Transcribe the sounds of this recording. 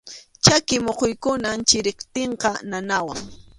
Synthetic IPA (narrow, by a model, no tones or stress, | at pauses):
t͡ʃakɪmoqojkʊnant͡ʃɪɾɪkt̪eɴqɑnanawaŋ